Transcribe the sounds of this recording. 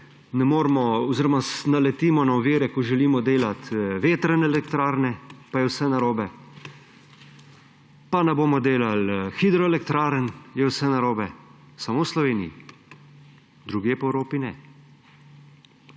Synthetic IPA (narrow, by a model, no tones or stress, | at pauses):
nɛmoːɾmɔɔziɾɔmasnalɛt̪iːmɔnaɔʋiːɾɛkɔʒɛliːmɔd̪eːlat̪ʋeːt̪ɾənɛlɛkt̪ɾaːɾnɛpajɛwsɛnaɾoːbɛ | panɛboːmɔd̪eːlalxid̪ɾɔɛlɛkt̪ɾaːɾənjɛwsɛnaɾoːbɛ | samoːwslɔʋeːnijḭ | d̪ɾuɡjeːpɔɛwɾoːpinɛ̰